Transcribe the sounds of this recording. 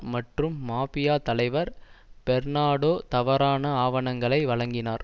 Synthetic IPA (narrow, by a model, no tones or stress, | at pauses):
mɐʈrɯmːaːpɪjaːt̪ɐlɐɪʋɐɾpɛɾnaːɽoːt̪ɐʋɐɾaːnɐaːʋɐɳɐŋɡɐɭɐɪʋɐɭɐŋɡɪnaːɾ